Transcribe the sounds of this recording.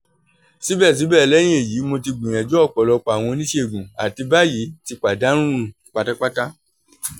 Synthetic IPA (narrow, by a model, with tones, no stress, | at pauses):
si˨˦bɛ˦˨s̬ĩ˨˦bɛ˦˨˦lɛ˦j̃ĩ˦e˨jiː˨˦mo˧ti˧ɡ͡bĩ˨ɛ̃˨d͡ʒɔ˦ɔ˦˨k͡pɔ˨lɔ˧k͡pa˨w̃ɔ̃˧nĩ˦ʃe˦˨ɡũ˨a˨ti˧ba˦ji˨˦ti˧k͡pa˨da˨˦ɾ̃ũ˦ɾũ˦˨k͡pa˨˧ta˦k͡pa˦ta˦